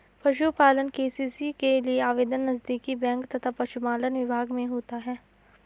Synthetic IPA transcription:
pɐʃupaːlənkeːsiːsikelieaːʋeːd̪ənːɐzd̪iːkibɛ̃ːŋkt̪ɐt̪ʰapɐʃupaːlənʋɪbʱaːɡmẽɦoːt̪aɦɛː

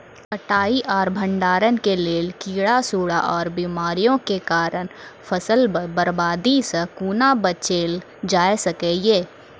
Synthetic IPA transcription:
kəʈaːiʔɔːɾbʱə̃ɳɖaːɾənkeleːlkiːɽasuːɽa̰ʔɔːɾbiːmaːɾijõkekaːɾənfʰəsəlbəɾbaːd̪isəkuːnabət͡ʃeːl | d͡ʒaːesɐkeːjeː

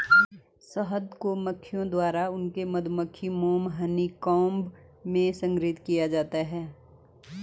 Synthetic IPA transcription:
səɦəd̪koməkʰːijõd̪waːɾaʊnkemɐd̪ʱməkʰːimoːmɦənikɔːmb | mẽsə̃ŋɡɾiːt̪kijad͡ʒaːt̪aɦɛː

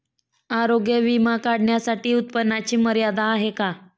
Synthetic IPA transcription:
aɾoɡjeʋimakaɽɳjasaʈiːut̪pənːat͡ɕiːməɾjad̪aːɦeka

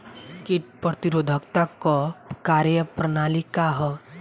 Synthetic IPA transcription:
kiʈ̚pɾət̪iɾoːd̪ʱəkt̪akɔkaɾjəpɾənaːlikaɦɔ

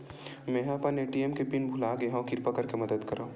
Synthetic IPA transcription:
mẽːɦãpɐneːʈiemkepinbʱulaːkeɦãkɪɾpɐkɐɾkemɐd̪əd̪kɐɾaː

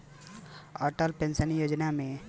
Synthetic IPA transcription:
ɔːʈəlpẽnsənjoːd͡ʒnamẽ

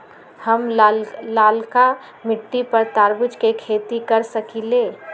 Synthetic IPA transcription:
hɐmlaːlka | mɪʈːipɐɾt̪aːɾbʊd͡ʒkekʰeːt̪ikɐɾsəkileː

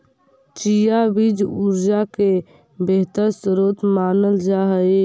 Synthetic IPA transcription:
t͡ʃijabid͡ʒuɾd͡ʒake | beɦt̪əɾsɾot̪manəld͡ʒaɦəj

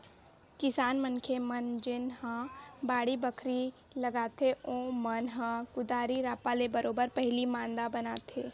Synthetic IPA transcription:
kɪsaːnmənkʰemɐnd͡ʒɪnhãbaːɽibəkʰɾi | lɐɡaːt̪ʰeõːmənɦãkʊd̪aːɾiɾaːpalebəɾoːbəɾpɛɦlimãːnd̪abɐnaːt̪ʰeː

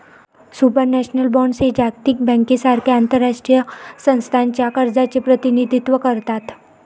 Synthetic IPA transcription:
supəɾnɛɕnəlbɔɳɖsed͡ʑakt̪iːk̚bɛ̃ŋkesaɾkʰeant̪əɾːaʂʈɾijəsə̃ñst̪ʰant͡ɕjakəɾd͡zat͡sepɾət̪inid̪ʱit̪ʋəkəɾt̪at̪

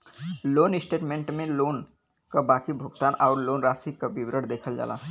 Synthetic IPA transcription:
loːnɪsʈeːʈmẽːɳʈmẽloːn | kabaːkibʱʊɡt̪aːnɔːɾloːnɾaːsikabɪwɾəɽd̪eːkʰəld͡ʒa̰ːla̰ː

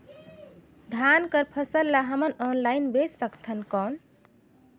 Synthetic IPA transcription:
d̪ʱankəɾpʰəsəlːaɦəmənɔnlainbessəkt̪ʰənkɔn

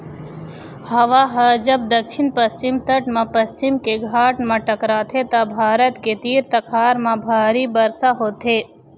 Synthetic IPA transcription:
hɐʋaɦɐd͡ʒɐbd̪ɐkʃɪnpɐst͡ʃɪmt̪ɐʈmãpɐst͡ʃɪmkeɡʱaːʈmãʈɐkɾaːt̪ʰet̪ɐbʱaːɾət̪ket̪iːɾt̪ɐkʰaːɾmãbʱaːɾibɐɾsaɦoːt̪ɦeː

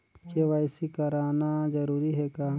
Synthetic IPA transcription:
keʋaːɪsikɐɾaːnad͡ʒɐɾuːɾiɦɛkaː

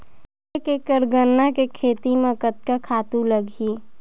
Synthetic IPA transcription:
ekekəɾɡənːakekʰeːt̪imẽkət̪̚kakʰaːt̪ũləɡʱi

